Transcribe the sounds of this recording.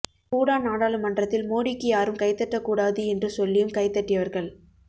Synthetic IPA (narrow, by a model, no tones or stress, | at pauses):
kuːɽaːnaːɽaːlɯmɐndrɐt̪ːɪlmoːɽɪkːɯjaːɾɯmkɐɪt̪ːɐʈːɐkːuːɽaːðɯɛndrɯsɔlːɪjɯmkɐɪt̪ːɐʈːɪjɐʋɐɾɣɐɭ